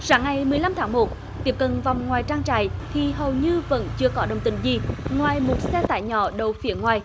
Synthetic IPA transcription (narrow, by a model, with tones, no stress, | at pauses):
saː˨˦ŋːa˨˩jmɨ˨˩əjla˧mt̪ʰaː˨˦ŋmo˨˩t̚ | t̪i˦˥əp̚kə˨nva˨˩wŋ͡mŋwaː˨˩jt͡ɕaː˧ŋt͡ɕa̰ː˧˩jt̪ʰi˨˩ɦə˨˩wɲɨ˧və̰˧˥nt͡ɕɨ˧əkɔ˨˦ɗə˨˩wŋ͡mt̪ï˧˩˦ŋ̟zi˨˩ŋwaː˨˩jmo˨˩t̚sɛ˧t̪a̰ː˧˨jɲɔ̰˧˩˦ɗə˨˩wfi˨˧˦əŋwaː˨˩j